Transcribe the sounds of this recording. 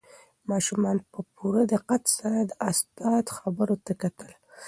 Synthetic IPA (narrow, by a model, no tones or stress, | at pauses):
mɑʃumɑnpəpʰuɾad̪əqat̪saɾad̪əʔast̪ɑt̪xabəɾot̪akat̪əl